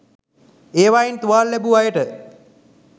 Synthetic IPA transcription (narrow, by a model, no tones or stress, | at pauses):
eːʋaint̪uaːlːɛbuʋajəʈə